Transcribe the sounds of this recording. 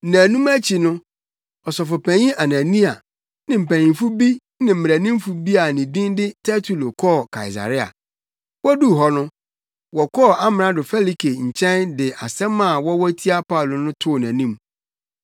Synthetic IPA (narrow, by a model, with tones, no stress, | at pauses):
nã˨nũ˦mæ˦t͡ɕʰi˨nʊ̃˦ | ɔ˨sɔ˨fʊ˨pʰæ̃˨ɲĩ˦ʔa˨nã˨nĩ˦a˨ | nɪ̃˨m̩˨pʰæ˨ĩ˨m˨fu˦bi˦ | nɪ̃˨m̩˨m˨æ˨nĩ˦m˦fu˦bi˦a˨nĩ˨dĩ˦ndɪ˦tʰɛ˦tʰu˨lo˨kʰɔː˦˨kʰa˨ɪ˨s̬a̰˨ɾɪ˦a̰˨ | wɔ˦du˦˨ɦɔ˨nʊ̃˦ | wɔ˨kʰɔ˦˨a˦m˨ɾã˨dʊ˨fɛ˦li˦kʰe˨ɲ̩˨t͡ɕʰɛ̃˦ndɪ˨ʔa˨sɛ̃˦mːã˦˨wɔ˦wɔ˦tʰi˦a˦pʰa˦u˨lo˨nʊ̃˦tʰʊ˦˨næ̃˨nĩ˦m